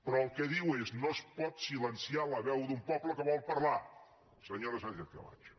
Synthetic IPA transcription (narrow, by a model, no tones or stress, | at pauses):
pɾɔəlˠkɛðiweznospɔt̪silənsialəβɛwd̪umpɔpləkəβɔlˠpəɾla | səɲoɾəʒanʒɛk̪ə̰la̰t͡ʃ